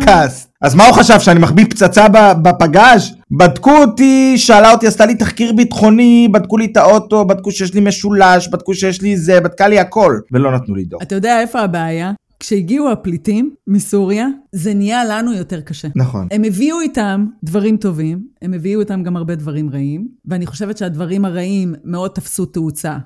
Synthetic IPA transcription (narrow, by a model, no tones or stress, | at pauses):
kʰas | azmauχaʃavʃeanimaχbipt͡sat͡sababapaɡaʃ | bad̪kuot̪iʃealaot̪iast̪alit̪aχkiʁbitχo̞nibad̪kulit̪aoto̞bad̪̚kuʃejeʃ̬lime̞ʃulaʃbad̪̚kuʃejɛʃlizebad̪̚kaliako̞lvelo̞nat̪nulid̪oat̪ajo̞deaefo̞abeaja | kʃeiɡiuaplitimːisuʁjazenijalanujo̞te̞ʁkaʃe̞naχo̰ne̞meviuitamdvaʁimto̞vime̞meviuitamɡamhaʁbe̞dvaʁimʁaimveaniχo̞ʃevetʃeadvaʁimaʁaʔimːe̞o̞d̪̚t̪ɐfsuteut͡sa